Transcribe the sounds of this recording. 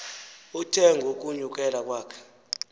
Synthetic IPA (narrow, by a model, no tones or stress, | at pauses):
utʰɛŋɡʱok̬ʼuɲuk̬ʼɛlak̬ʼwaːkʰɛ̥